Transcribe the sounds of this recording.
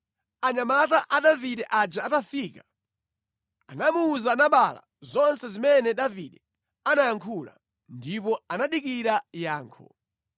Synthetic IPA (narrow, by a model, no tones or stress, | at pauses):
aɲamat̬aʔaɗaviɗɛʔad͡ʒaatafiːka | anamuːzanaɓala̰ | zɔnsɛzimɛnɛɗaviɗɛ | anajaŋkʰula̰ | ndipɔanaɗikiɾajaːŋkʰɔ̰